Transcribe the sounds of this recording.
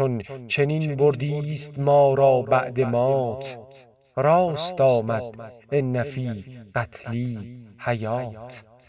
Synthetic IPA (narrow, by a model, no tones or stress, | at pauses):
ont͡ʃʰe̞ninboɾd̪iːst̪mɒːɾɒːbæʔd̪e̞mɒːt̪ʰ | ɾɒːst̪ɒːmæd̪̥enːæfiːɢ̥æt̪ʰliːhæjɒːt̪ʰ